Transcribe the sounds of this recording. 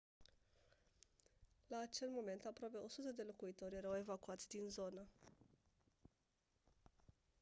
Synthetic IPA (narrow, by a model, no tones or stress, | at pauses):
laːt͡ʃe̞lmo̞me̞nt̪apɾoape̞o̞sut̪əd̪e̞lo̞kuit̪o̞rʲjeɾəwe̞vakuat̪sʲd̪inzo̞nə